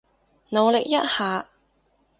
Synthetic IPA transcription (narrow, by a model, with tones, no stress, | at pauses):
no˨˧wlɪ˨k̚jɐ˥t̚haː˨˧